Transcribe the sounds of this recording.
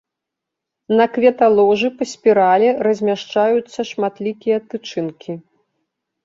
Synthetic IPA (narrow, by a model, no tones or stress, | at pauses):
nɐkvʲɛt̪alˠɔʐɨpɐsʲpʲiɾalʲɛɾɐzʲmʲaʂt͡ʂajut̪sːɐʂmat̪lʲikʲijɐt̪ɨt͡ʂɨnkʲi